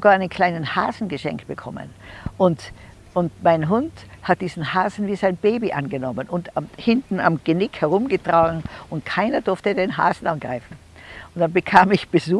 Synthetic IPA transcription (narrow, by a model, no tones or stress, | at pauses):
ɡaːɐʔɪnənkʰl̥aɪnənha̰ːzn̩ɡəʃɛ̰ŋktb̥əkʰɔ̰mə̰n | ʔʊnt | ʊntmaɪnɦʊnthat̚d̥iːzn̩haːzn̩viːzaɪnb̥eːbiʔanɡənɔmənʊnthɪntn̩a̰mɡ̥ənɪkhɛʁʊmɡətʁ̥aːɡŋ̩ʔʊntkʰaɪnɐd̥ʊɐftədeːnɦa̰ːzn̩anɡ̥ʁaɪfn̩ | ʊnd̥anbəkʰaːmɪçb̥əzuː